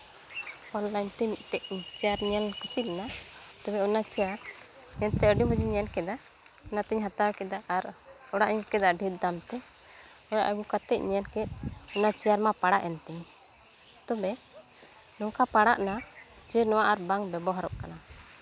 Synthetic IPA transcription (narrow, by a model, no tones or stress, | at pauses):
ɔnlaɲt̪ɛmiʔ̚ˀʈɛʔt͡ʃɛaɾɲɛlkusilɛnat̪ɔbɛɔnat͡ʃɛjaɾ | ɲɛnt̪ɛɔɖiməd͡ʒiɲɛnkɛd̪a | nat̪ɛɲɦat̪awkɛd̪aʔaɾɔɽaʔɲukɛd̪aɖʱɛt̪̚d̪amt̪ɛ | ɔɽa̰ʔɡukat̪ɛʔɲɛlkɛt̪̚ˀɔnat͡ʃɛjaɾmapaɽaʔɛnt̪ɛɲ | t̪ɔbɛ | nɔŋkapaɽaʔna | d͡ʒɛnɔwaʔaɾbaŋbɛbɔɦaɾɔʔkana